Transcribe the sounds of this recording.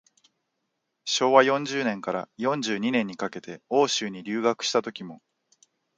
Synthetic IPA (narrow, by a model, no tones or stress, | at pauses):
ɕo̞ːβajõ̞ɲ̟d͡ʑɨːnẽ̞ŋkaɾa̰jõ̞ɲ̟d͡ʑɨːɲ̟inẽ̞ɲ̟ːikake̞t̪e̞o̞ːɕɨːɲ̟iɾʲɨːɡakɯ̟̥ɕi̥t̪at̪o̞kʲimo̞